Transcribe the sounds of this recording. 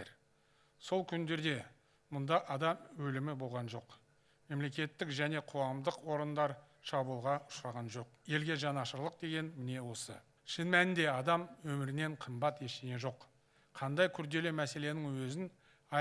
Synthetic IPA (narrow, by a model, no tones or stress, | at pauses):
ɾ | so̞lˠkʲʰʏnd̪e̞ɾd̪e̞ | mʊnd̪ɑʔɑd̪ɑmwɵlɪmɪbo̞lˠʁɑnʒo̞q | me̞mle̞kʲe̞t̪ːɪkʒæne̞qʰʊʁɑmd̪əqwo̞ɾənd̪ɑɾ | ʃɑbulˠʁɑʊʃɾɑʁɑnʒo̞qje̞lɡʲe̞ʒɑnɑʃəɾlˠəq̚d̪e̞ɡʲe̞nmɪne̞wo̞sə̰ | ʃɪnmænɪnd̪e̞ɑd̪ɑmwɵmɪɾɪne̞ɴqʰəmbɑt̪je̞ʃeɡ̪ʲeʒo̞q | qʰɑnd̪ɑjkʲʰʏɾd̪e̞lemæse̞le̞nɪŋwɵzɪn | ɑ